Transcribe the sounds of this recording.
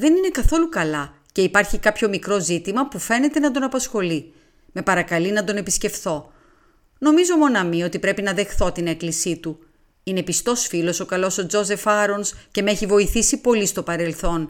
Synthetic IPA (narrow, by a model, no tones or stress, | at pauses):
ðe̞nine̞kɐθo̞lukɐlɐ | ce̞ipɐɾçikɐpço̞mikɾo̞zit̪imɐpufe̞ne̞t̪e̞nɐd̪o̞nɐpɐsxo̞li | me̞pɐɾɐkɐlinɐd̪o̞ne̞pisce̞fθo̞ | no̞mizo̞mo̞nɐmio̞t̪ipɾe̞pinɐðe̞xθo̞t̪ine̞klisit̪u | ine̞pist̪o̞sfilo̞so̞kɐlo̞so̞d͡zo̞ze̞fɐɾonsce̞meeçivo̞iθisipo̞list̪o̞pɐɾe̞lθo̞n